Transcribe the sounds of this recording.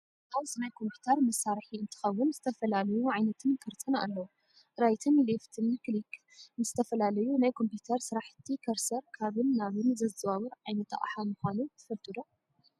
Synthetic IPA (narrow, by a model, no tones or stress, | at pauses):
ʔaβzɨnajkʰo̞mpʰu̥t̪ʰɐɾmɐsːaɾħiɨnt̪ʰɨ̥xɐwːʊnzɨt̪ʰɐfɐlalɐjuʕajnɐt̪ʰɨnkʰɨɾt̪ʼʰɨna̰lːɐwu | ɾajt̪ʰɨnleft̪ʰɨnklikʰ | nɨzɨt̪ʰɐfɐlalɐjunajkʰo̞mpjut̪ʰɐɾsɨɾaħɨt̪ʰːikʰɐɾsɐɾkʰaβɨnːaβɨnzɐzɨβaβɨɾʕajnɐt̪ʰa̰ʔʼħamɨxʷanut̪ʰɨ̥fɐlt̪ʼɨd̪o